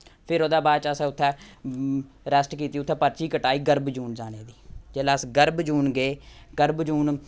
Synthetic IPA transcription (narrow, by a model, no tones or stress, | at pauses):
pʰɪɾoːd̪aːbaːt͡ʃəsɛ̃ːʊt̪ʰːɛ̃ː | ɾəsʈkiːt̪iːʊt̪ʰːɛ̃ːpəɾt͡ʃiːkəʈaːiːɡəɾbd͡ʒuːnd͡ʒaːneːd̪iːd͡ʒeːlasɡəɾbd͡ʒuːnɡeːɡəɾbd͡ʒuːn